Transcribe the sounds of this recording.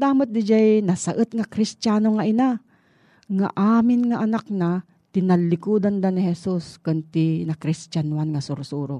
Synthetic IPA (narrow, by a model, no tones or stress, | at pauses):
d̪aːmat̪̚d̪ɪd͡ʒajnɐsaʔət̪̚ŋɐkɾɪst̪aːnoŋaʔɪna | ŋa̰ʔaːmɪnŋɐʔɐnak̚na | t̪ɪnɐlːɪkuːd̪and̪anɪhɛsuskʊnt̪ɪnɐkɾɪst̪anuanŋɐsʊɾʊsuːɾo̰